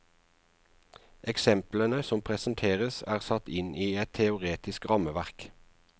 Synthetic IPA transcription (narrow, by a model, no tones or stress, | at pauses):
ʔɛksɛmplənəsɔmpʰʁɛsn̩t̪ʰeːʁəsæːʁsɑt̪ɪnʔiːɛt̪ʰɛʊʁeːt̪ɪskʁɑməʋæʁk